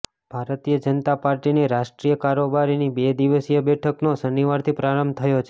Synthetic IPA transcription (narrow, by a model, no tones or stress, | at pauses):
b̥ʱaɾt̪ijəd͡ʒənt̪apaɾʈineɾaʃʈɾijəkaɾobaɾinibed̪iʋəsijəbɛʈʰəknosəniʋaɾt̪ʰipɾaɾəmt̪ʰəjot͡ʃʰ